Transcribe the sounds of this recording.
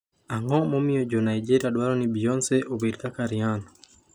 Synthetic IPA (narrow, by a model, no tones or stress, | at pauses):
aŋɔmɔmijɔd͡ʒɔnaid͡ʒeɾiadwaɾɔnibijɔnsɛʔobedkakaɾianɔ